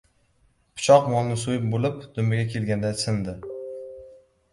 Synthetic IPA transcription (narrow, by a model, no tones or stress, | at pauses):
pʰɪ̥t͡ʃʰɒqmɒlˠnɪsojɪp̚bolɪpd̪̥ʊmjaɡʲakʲʰe̞lɡʲand̪asɪnd̪ɪ